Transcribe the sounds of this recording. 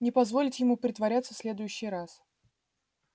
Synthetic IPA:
nʲɪpɐzvo̞lʲɪtʲjɪmupɾʲɪt̪vɐɾʲat̪sə̥fsʲlʲe̞d̪ʊjʉɕːɪjɾas

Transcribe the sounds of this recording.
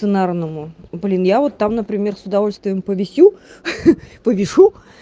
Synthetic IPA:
sɨnarnəmʊblʲinjavo̞t̪ːamnəpɾʲɪmʲe̞rsʊd̪ɐvo̞lʲst̪vʲɪjəmpəvʲɪsʲu | pəvʲɪʂu

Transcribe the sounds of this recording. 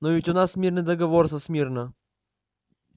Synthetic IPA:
novʲɪtʲʊnasmʲirnɨjd̪əɡɐvorsɐsmʲirnə

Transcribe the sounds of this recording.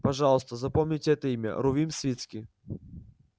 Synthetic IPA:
pɐʐɑlˠəst̪əzɐpɔmnʲitʲɛt̪əimʲɐ̰ɾʊvʲimsʲvʲit̪skʲi

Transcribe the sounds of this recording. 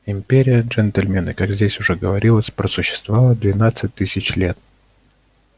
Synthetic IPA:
ɪmʲpʲeɾʲɪjəʐɛnt̪əlʲmʲenə̰kaɡzʲdʲesʲʊʐɛɡəvɐɾʲilˠəsʲpɾəsʊɕːɪ̥st̪vɐvalˠəd̪vʲɪnat̪sɨt̚ʲt̪ːɨsʲɪt͡ɕlʲe̞t̪̚

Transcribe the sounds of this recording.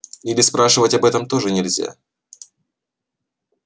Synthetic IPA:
ilʲɪspɾaʂɨvətʲɐbɛt̪əmt̪o̞ʐɨnʲɪlʲzʲa̰

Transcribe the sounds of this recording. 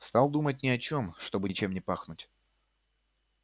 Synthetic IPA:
st̪alˠd̪umət̬̚ʲnʲɪɐt͡ɕo̞mʂt̪o̞bɨt͡ɕe̞mnʲɪpaxnʊtʲ

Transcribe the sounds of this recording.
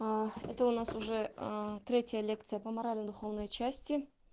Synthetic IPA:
ḛt̪əʊnɑsʊʐɛt̪ɾʲe̞tʲjəlʲe̞kt̪sɨjəpəmɐɾalʲnəd̪ʊχownojt͡ʃʰæsʲtʲɪ

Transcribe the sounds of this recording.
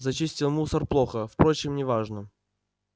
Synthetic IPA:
zɐt͡ɕisʲtʲɪlˠmusərplˠoxəfpɾot͡ɕɪmnʲɪvaʐnə

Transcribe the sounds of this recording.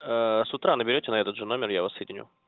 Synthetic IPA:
əsʊt̪ɾanəbʲɪɾʲotʲɪnɐɛt̪əd̪ʐɨno̞mʲɪrjavɐsːəjɪdʲɪnʲṵ

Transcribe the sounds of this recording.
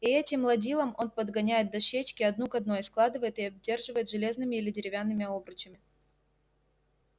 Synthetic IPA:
iɛtʲɪmlˠɐdʲilˠəmo̞npəd̪ɡɐnʲæjɪt̪̚d̪ɐʂːet͡ɕkʲɪɐd̪nukɐd̪̚no̞jɪsklˠad̪ɨvəjɪt̪ɪɐb̚dʲːe̞rʐɨvəjɪt̪ʐɨlʲe̞znɨmʲɪilʲɪdʲɪɾʲɪvʲanːɨmʲɪo̞bɾɨt͡ɕɪmʲɪ

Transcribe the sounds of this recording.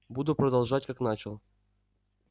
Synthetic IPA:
bud̪upɾɐd̪alˠʐat̚ʲkaknat͡ɕɪlˠ

